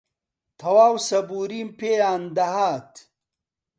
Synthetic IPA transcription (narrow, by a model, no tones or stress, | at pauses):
t̪ʰɐwaːwsɐbuːɾiːmpeːjaːnd̪ɐɦaːt̪